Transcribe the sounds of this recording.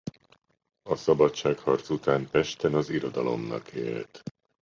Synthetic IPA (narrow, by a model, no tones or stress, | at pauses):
ɒsɒbɒtt͡ʃaːkhɒrt̪sut̪aːnpɛʃt̪ɛnɒziɾo̞d̪ɒlo̞̰mnɒ̰kḛːlt̪